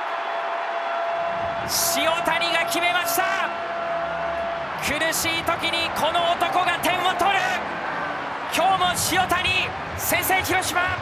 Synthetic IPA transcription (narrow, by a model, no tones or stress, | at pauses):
ɕio̞t̪aɲʲiɡakʲime̞maɕi̥t̪a | kʰɯɾɯ̟ɕiːt̪o̞kʲiɲ̟iko̞no̞ːt̪o̞ko̞ɡat̪ẽ̞ɰ̃ːat̪o̞ɾɯ̟ | kʲʰo̞ːmoɕijo̞t̪aɲʲi | sẽ̞ɰ̃se̞ːçiɾo̞ɕima